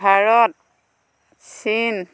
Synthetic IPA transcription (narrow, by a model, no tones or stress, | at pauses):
aɹɔt̚ | sin